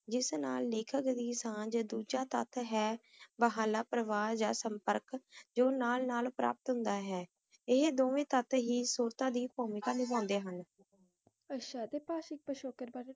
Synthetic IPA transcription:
d͡ʒɪsnaːlːeːkʰəkd̪iːsãːd͡ʒəd̪uːd͡ʒaːt̪ə̰t̪ʰɦɛː | bəɦaːlaːpɾəʋaːɾd͡ʒa̰ːsəmpəɾkd͡ʒoːnaːlnaːlpɾʔa̰ːp̚ət̪ɦʊ̃nd̪aːɦɛː | ɪɦd̪oːʋẽːt̪ət̪ʰɦiːsuːɾt̪ãːd̪iːpoːmɪkaːnɪbãːnd̪eːɦən | ətʃʰaːt̪eːpaːʃɪk̚pəʃoːkəɾbaɾ

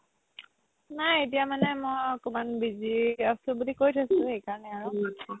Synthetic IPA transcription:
najet̬ijamanɛmojkumanbiziasubulikojtʰasʊ̃xejkaɹɔnɛaɹuatʰa

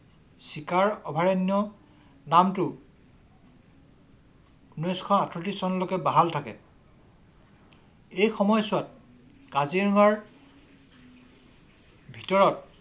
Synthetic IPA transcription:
sikaɹɔbʱaɹenjɔ | namtʊ | unɔjskʰɔatʰɹotisɔnɔlokɛbaɦaltʰakɛ̰ | ejxɔmɔjsʊwat̚ | kaziɹŋaɹ | bʱitɔɹɔt̚

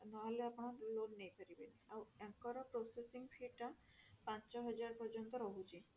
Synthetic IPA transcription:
naɦɔleapnɔnlonːejp̪ʰaɾibenawɛkkɔɾapɾosesiŋfʰiɾʈa | pãt͡ʃt͡ʃɔɦɔd͡ʑaɾpɔɾd͡ʑɔnt̪ɔɾoɦud͡ʑi

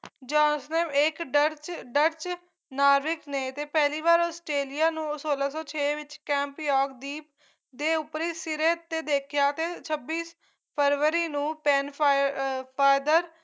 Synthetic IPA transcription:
d͡ʒɔ̃ːnsnemɪkɖəɾt͡ʃɖəɾt͡ʃ | naːɾʋɪkneːt̪eːpɛːliːʋaːɾɔːsʈɾeːlijaːnũːsoːlaːsɔːt͡ʃʰeːʋɪt͡ʃkɛ̃ːmpjɔːkd̪iːp | d̪eːʊpɾiːsɪɾeːt̪ːeːd̪eːkʰɪjaːt̪eːt͡ʃʰəbːiːs | pʰəɾʋəɾiːnũːpɛːn | pʰaːd̪əɾ

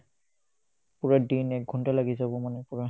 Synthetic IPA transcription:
puɹadinɛk̚ɡʱuntalaɡisɛbɔmanɛpuɹa

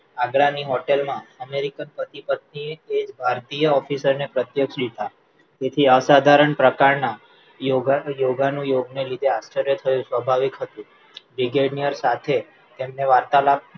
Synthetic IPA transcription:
aɡɭaniɦɔʈelmãəmeɾikənpət̪ipət̪̚nieed͡ʒbʱaɾt̪ijəɔfisəɾnepɾət̪jəkʃlit̪a | d͡ʒ̪et̪ʰiəsad̪ʱaɾəɳpɾəkaɾna | joɡjoɡanũjoɡnelid̪ʱeast͡ʃəɾjət̪ʰəjũsʋəbʱaʋikɦət̪ũ | bɾiɡeɖnijəɾsat̪ʰe | t̪emneʋaɾt̪alab̚

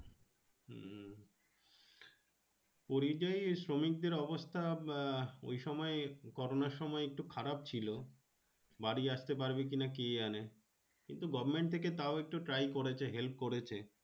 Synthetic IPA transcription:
poɾid͡ʑajsɾomik̚d̪eɾɔbost̪ʰa | o̰jʃɔmɔekɔɾonaɾʃɔmɔeek̚ʈukʰaɾap̚t͡ɕʰilo | baɽiaʃt̪epaɾbek̬inakeane | kint̪uɡɔbʱɾmeɳʈ̚t̪ʰeket̪aoek̚ʈuʈɾajkoɾet͡ɕʰeɦelp̚koɾet͡ɕʰe

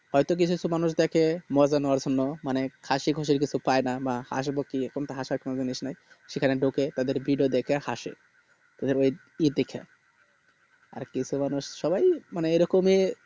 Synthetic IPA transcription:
hɔjt̪ok̬it͡ɕʰukisʰumanuʃd̪ɛkʰemɔd͡ʑanɔaɾd͡ʑonːomanekʰaʃiɡʱoʃeɾk̬it͡ɕʰupaenabaha̰ʃ̬bokikomt̪aɦaʃaɾkʰonod͡ʑiniʃnaj | ʃekʰaneɖoket̪ad̪eɾbiɖiod̪ɛkʰeha̰ʃḛ | t̪ad̪eɾoj | id̪ekʰḛ | a̰ɾkit͡ɕʰumanuʃʃɔbajmaneeɾɔkome

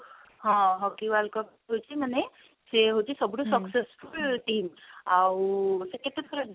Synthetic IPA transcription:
ɦɔ̃ɦɔkiʋalkɔp | ɦojt͡ʃʰimane | seɦot͡ʃʰisɔbɽosɔksesfulʈimawseket̪et̪ʰoɾa

